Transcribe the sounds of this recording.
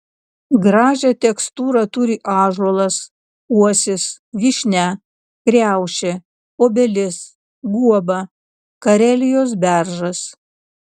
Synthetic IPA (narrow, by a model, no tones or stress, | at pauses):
ɡɾɑːʒʲɛt̪ʲɛkst̪uːɾɑt̪ʊɾʲɪʔɑːʒɔlˠɐs | uɔsʲɪs | ʋʲiʃʲnʲæ | kɾʲæˑʊʃʲɛ | oːbʲɛlʲɪs | ɡuɔbɐ | kɐɾʲɛlʲɪjoːs̬bʲæɾʒɐs